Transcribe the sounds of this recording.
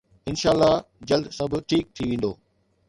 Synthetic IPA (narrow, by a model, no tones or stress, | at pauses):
ɪnʃaːlːad͡ʑɐld̪sɐbʱʈʰiːk̚t̪ʰiʋẽːnd̪oː